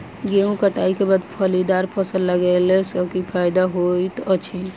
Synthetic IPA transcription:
ɡeũkəʈaikebad̪pʰəlid̪aɾpʰəsəlːəɡɛlɛsəkipʰajd̪aɦojt̪ət͡ʃʰi

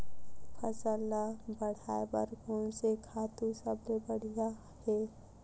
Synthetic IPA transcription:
pʰəsəlabəɽ̤aːebə̰ɾɡʱunsekʰaːt̪usəblebəɽ̤ija | he

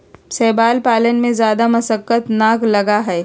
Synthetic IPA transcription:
sɛːbaːlpaːlənmẽzjaːd̪amɐsəkːət̪naːklɐɡaɦɛː

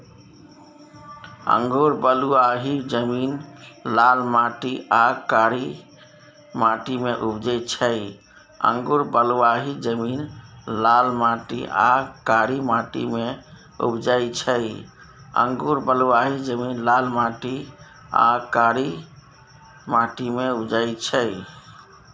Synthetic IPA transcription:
ə̰̃ŋɡuɾbəluaɦid͡ʒəminlalmaʈiʔakaɾi | maʈimeʔubd͡ʒəjt͡ʃʰəj | ə̰ŋɡuɾbəluaɦid͡ʒəminlalmãʈḭa̰kaɾimaʈḭme | ṵbd͡ʒajt͡ʃʰəj | ə̰̃ŋɡuɾbəluaɦid͡ʒəminlalmaʈi | a̰kaɾi | maʈimeubd͡ʒajt͡ʃʰəj

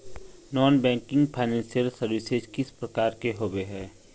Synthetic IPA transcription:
nɔːnbɛ̃ːŋkɪ̃ŋɡpʰaːɪnɛ̃ːnsijəlsəɾwɪsed͡ʒkɪspɾɐkaːɾkeɦoːweɦɛː

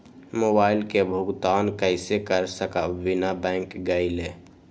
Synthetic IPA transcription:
moːbaːɪlkebʱʊɡt̪ankəɪsekəɾsəkaʋɪnabɛ̃ːŋkɡəɪle

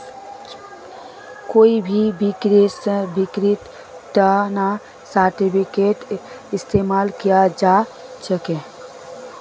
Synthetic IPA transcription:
koːibʱibikɾesbɪkɾɪt̪ | tana | saɾʈipʰɪkeʈ | ɪst̪eːmaːlkijad͡ʒasəkẽ

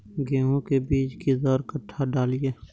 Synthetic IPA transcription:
ɡɛːɦõkebiːt͡ʃkizɔːɾkəʈʰːaɖaːlieː

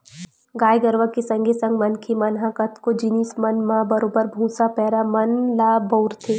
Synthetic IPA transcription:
ɡaːjɡəɾʋəkesɐ̃ŋɡʱesɐ̃ŋɡmɐnkʰemɐnɦãkɐt̪kod͡ʒiniːsmɐnmãbɐɾoːbəɾbʱũːsapɛːɾamɐnlaːboʊɾt̪ʰeː

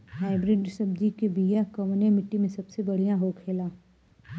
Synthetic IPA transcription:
ɦaːɪbɾɪɖsɐb̚d͡ʒikebijakəʋnemɪʈːimẽsɐbsebɐɽ̤ijãɦoːkʰeːlaː

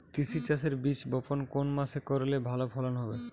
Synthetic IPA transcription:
t̪isit͡ɕaseɾbit͡ɕbɔponkonmaʃekɔɾelebʱalopʰɔlanɦɔbe

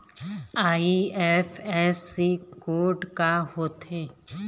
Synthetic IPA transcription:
aːiɛfɛsikoːɖkaɦoːt̪eː

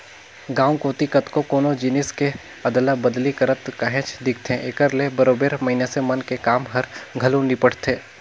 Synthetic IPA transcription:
ɡaːũkõːt̪ikɐt̪kokoːnod͡ʒɪnɪske | ɐd̪labəd̪likəɾət̪kəɦɛ̃ːt͡ʃd̪ɪkʰt̪ʰẽʔekəɾlebɐɾoːbeːɾmɐɦinesemɐnkekaːmɦɐɾɡʱɐlũnipəɽ̤t̪ʰeː

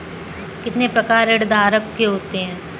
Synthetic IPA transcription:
kɪt̪nepɾɐkaːɾeɖd̪ʱaːɾəkkeɦoːt̪eɦɛ̃ː

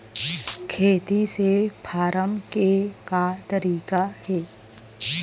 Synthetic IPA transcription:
kʰeːt̪isepʰaːɾəmkekat̪əɾiːkaɦɛː

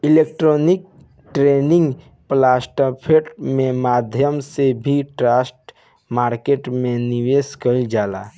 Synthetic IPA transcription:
ɪleːk̚ʈɾoːnɪk̚ | ʈɾeːnɪ̃ŋɡ | plaːsʈəpʰeʈmẽmaːd̪ʱjəmsebʱiʈɾaːsʈ | maːɾkeːʈmẽniʋeːskəid͡ʒaːla̰ː

